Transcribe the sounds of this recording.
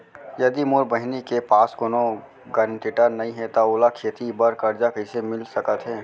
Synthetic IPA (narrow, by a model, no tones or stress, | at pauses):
jɐd̪imʊɾbəɦɪnikepaːskoːno | ɡəɾəɳʈiːʈəɾnɐɦĩɦɛt̪aʊːlakʰeːt̪ibəɾkəɾd͡ʒakəɪsemɪlsəkət̪ɦɛː